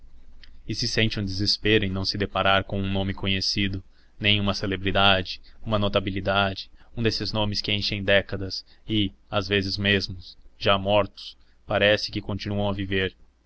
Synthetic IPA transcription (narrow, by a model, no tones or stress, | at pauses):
ɪsɪsẽnt͡ʃɪũd̪ezespeɾʊẽj̃nɐ̃w̃sɪd̪epaɾaɾkõw̃ũnõmɪkõɲesid̪ʊ | nẽj̃ũmɐselebɾid̪ad͡ʒɪũmɐnot̪abilid̪ad͡ʒɪũd̪esɪznõmɪskɪẽj̃ʃẽj̃d̪ɛkɐd̪ɐsɪazvezɪzmezmʊsʒamɔɾt̪ʊ̥s | paɾɛsɪ̥kɪkõnt͡ʃinuɐ̃w̃ɐviveɾ